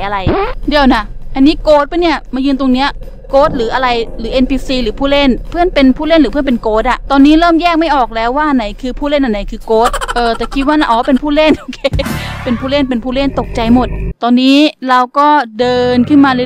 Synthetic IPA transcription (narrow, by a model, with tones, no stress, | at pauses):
jʔa˧ɾa˧jdi˧˩əwna˦˥ʔa˧nːiː˦˥koː˦˥t̪̚pa˧˥˩ni˥˩ɐmaː˧jɯː˧nt̪o˧ŋni˦˥ɐ | koː˦˥t̪̚lɯː˩˦ʔa˧ɾa˧jlɯː˩˦ʔe˧npʰiː˧siː˧lɯː˩˦pʰuː˥˩le˥˩npʰɯ˥˩ənpe˧npʰuː˥˩le˥˩nlɯː˨˦ɯ˥˩ə˨pe˧nkoː˦˥t̪̚ʔa˨˩ʔt̪ɔː˧nːiː˦˥ɾɤː˥˩mjɛː˥˩k̚ma˥˩jʔɔː˨˩k̚lɛː˦˥waː˥˩ʔa˧na˩˦jkʰɯː˧pʰuː˥˩le˥˩nʔa˧nːa˨˦jkʰɯː˧koː˦˥t̪̚ʔɤː˧˩t̪ɛː˨˩kʰi˦˥waː˥˩na˧˥˩ʔɔː˨˦pe˧npʰuː˥˩le˥˩nʔo˧kʰeː˧˩˧pe˧npʰuː˥˩le˥˩npe˧npʰuː˥˩le˥˩nt̪o˨˩k̚t͡ɕa˧jmo˨˩t̪̚ːɔː˧nːiː˦˥ɾa˧wkɔː˥˩dɤː˧nkʰɯ˥˩nmaː˧l